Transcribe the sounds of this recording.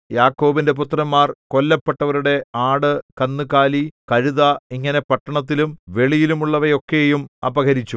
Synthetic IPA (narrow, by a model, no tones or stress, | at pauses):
jaːkːo̞ːbinde̞p̬ut̪rɐmːaːrko̞lːɐpːeʈːɐʋɐɾuɽe̞aːɽɨkɐnːukaːlikɐɻuðɐiŋːɐne̞pɐʈːɐɳɐt̪̬ːilumʋe̞ɭijilumuɭːɐʋɐjo̞kːe̞jumɐbɐɡɐɾit͡ɕːu